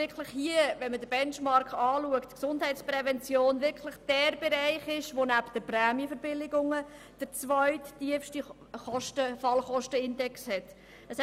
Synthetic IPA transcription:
ɪkʰləχhiəʋɛnmədəbɛnt͡ʃmɑɾkɑːluəktksʊnd̥ɦɛɪtt͡sprɛvɛnt͡sjoːnʋɪɾkʰlɪχd̥ɛːɾb̥ɛɾaɪχɪʃʋonæptd̥əpræːmjəfəɾbɪlɪɡʊŋə | d̥əɾt͡svœʏtːiəfʃti | χɔʃtəfɑlχɔʃtəɪndɛkshɛt | əsɛ

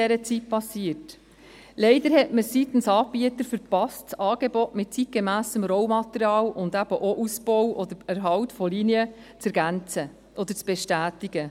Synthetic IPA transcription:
ɛɾət͡sit̚pɑsiət | leɪd̪əɾhɛtməsit̪n̩sɑːb̥iət̪əɾfəɾpɑstt͡sɑːɡ̥ebɔtmɪt̚t͡sit̚ɡ̥emæːsəmɾɔwmɑt̪əɾiɑːlʔʊnd̪æb̥əʔoʔusb̥ɔwʔɔd̪əɾæɾɦɑltfɔliniə | t͡sɛɾɡænt͡sə | ʔɔd̪əɾt͡sb̥eʃtæːtiɡ̥ə

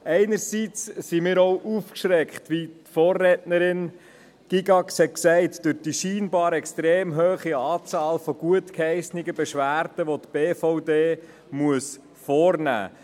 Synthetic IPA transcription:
ɛɪnəɾsit͡ssimɪːɾɔʊʔufkʃɾɛkχtʋitfɔːrːɛtnəɾɪn | ɡ̥iɡɑkshɛt̚ksɛɪtd̥øɾd̥iʃiːnbɑːɾɛkstɾeːmɦøːχiɑːt͡sɑːlfɔɡ̥uətkhɛɪsnɪɡəbɛʃʋæːɾd̥əʋotb̥eːfɔʊdeː | muəs | fɔːɾnæ̰ː

